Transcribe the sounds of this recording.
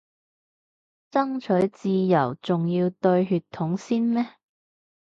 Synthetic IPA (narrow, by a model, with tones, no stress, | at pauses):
t͡sɐ˥ŋt͡ʃʰɵ˨˥ɥt͡siː˧jɐ˨˩wt͡sʊ˨ŋjiː˧wt̪ɵ˧ɥɦyː˧t̪ʰːʊ˨˥ŋsiː˥nmɛː˥